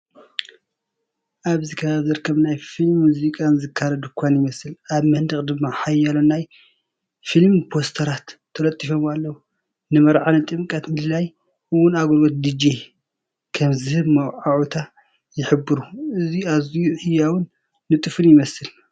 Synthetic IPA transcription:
ʔaβzɨkʰɐβazɐɾkʰɐmnajfilmːuzikʼanzɨkʰːaɾɐd̪ukʰʷanjɪmɐsɨlʔaβmɐnd̪ɨkʼd̪ɨmːaħajːalonːaj | filmpʰo̞st̪ʰɐɾat̪ʰːɐɾɐt̪ʼːifo̞malːɐwu | nɨmɐɾʕanɨt̪ʼɨmkʼɐt̪mɨlɨlaj | ʔɨwːʊnaɡolot̪̚d̪id͡ʒe | kʰɐmzɨhɨβmɐwʕaʕut̪ʰa | jɪħɨbːɨɾuʔɨziazijuħɨjːawʊnː | ɨt̪ʼɨfɨnjɪmɐsɨl

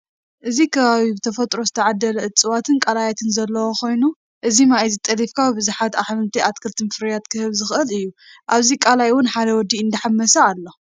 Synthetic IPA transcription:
ʔɨzikʰɐβaβibɨt̪ʰɐfɐt̪ʼɾo̞zɨt̪ʰɐʕad̪ːɐlɐɨt͡sʼɨwat̪ʰɨnkʼalajat̪ʰɨnzɐlːɐwokʰo̞jnu | ʔɨzimaizɨt̪ʼɐlifkʰawbɨzuħat̪aħmɨnt̪ʰiʔat̪kʰɨlt̪ʰɨmfɨɾjat̪kʰɨhɨβzɨxʔɨlɨjːuʔaβzikʼalajwʊnħad̪ɐwɔd̪ːiɨnd̪ɐħamːɐsɐalːo̞

